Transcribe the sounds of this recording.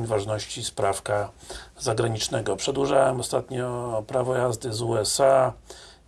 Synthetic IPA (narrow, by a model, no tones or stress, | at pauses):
ɲvaʐnɔɕt͡ɕispɾafkazaɡɾaɲit͡ʂnɛɡɔpʂɛd̪wuʐawɛmɔst̪at̪ɲɔpɾavɔjazd̪ɘzuɛsa